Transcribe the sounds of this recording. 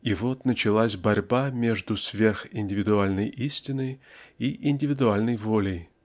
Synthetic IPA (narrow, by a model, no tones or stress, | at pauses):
ivot̪nət͡ɕɪlˠasʲbɐrʲbamʲeʐd̪usvʲe̞rxɪnʲdʲɪvʲɪd̪ʊalʲnəjʔisʲtʲɪnəjiʔɪnʲdʲɪvʲɪd̪ʊalʲnəjvolʲɪj